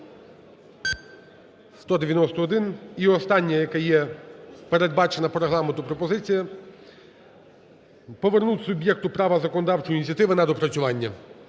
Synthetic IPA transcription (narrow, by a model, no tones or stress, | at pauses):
st̪ɔd̪eʋʲjɐnɔst̪ɔːd̪ɪniɔst̪ɑnʲːɐjɐkɛjɛpeɾe̞d̪̚bɑt͡ʃenɐpɾeɦlˠɑment̪ʊpɾɔpɔzɪt͡sʲijɐ | pɔʋernut̪ʲsʊbʲjɛk̚t̪ʊpɾɑʋɐzɐkɔnɔd̪ɑwt͡ʃʊjinʲit͡sʲɐt̪ɪʋɪnɐd̪ɔpɾɐt͡sʲʊʋɑnʲːɐ